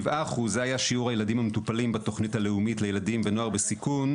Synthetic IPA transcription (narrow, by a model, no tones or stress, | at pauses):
vʔaːχuzeajaʃiuʁhajeladimhametupalimbato̞χnithale̞umitlejeladimvenoaʁbesikun